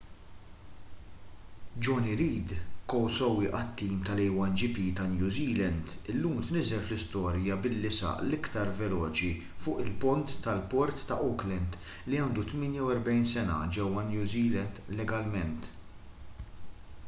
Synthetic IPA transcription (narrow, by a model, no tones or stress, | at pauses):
d͡ʒɔniɾiːd̪kɔwsɔwiʔɐt̪ːiːmt̪ɐlɛjwɐnd͡ʒipit̪ɐnjuːziːlɛnd̪ɪlːuːmt̪nɪzɛlflɪst̪ɔːɾjɐbɪlːɪsɐ̰ʔlɪkt̪ɐɾvɛlɔːt͡ʃi | fʊːʔɪlpɔnt̪ːɐlpɔɾt̪ːɐʔɔklɛnd̪ | liɐːnd̪ut̪mɪːnjɐwɛɾbɛjnsɛnɐ̰d͡ʒɛwːɐnjuːziːlɛnd̪lɛɡɐlmɛnt̪